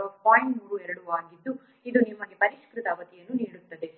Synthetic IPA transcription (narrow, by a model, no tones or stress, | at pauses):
ɐpaːjiɳʈmuːɾuɛɾɐɽuaːɡid̪ːu | id̪unimɐŋɡepɐɾiʃkɾut̪ɐʋɐt̪ijɐnːuniːɽut̪ːɐd̪e̞